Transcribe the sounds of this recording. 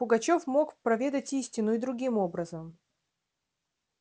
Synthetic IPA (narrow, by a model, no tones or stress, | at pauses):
pʊɡɐt͡ɕofmokpɾɐvʲe̞d̪ətʲisʲtʲɪnʊɪd̪ɾʊɡʲimo̞bɾəzəm